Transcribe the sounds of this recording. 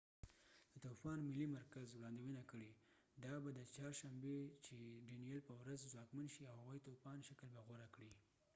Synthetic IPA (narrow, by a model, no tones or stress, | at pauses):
d̪̥ət̪ufɑnmɪlimaɾkazwɽɑnd̪iwənakəɽe | d̪ɑbad̪ət͡ʃɑɾʃambet͡ʃeɖinijelpəwɾazzwɑkmanʃiawhawajt̪ofɑnʃakəlbaɣaɾakɽi